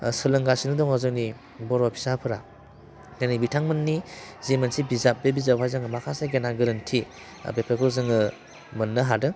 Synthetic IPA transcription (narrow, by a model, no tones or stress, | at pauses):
sɯlɯŋɡasinɯdɔŋɔzɯwni | bɔɾɔpʰi̥sapʰɯɾa | nanibitʰaŋmɯnːizemɯnsibizap̚bebizawʰajzɯŋɯmakʰasajɡenaɡɯɾɯntʰi | a̰bepʰekʰɯɾzɯŋɯ | mɯnːɯɦadɯ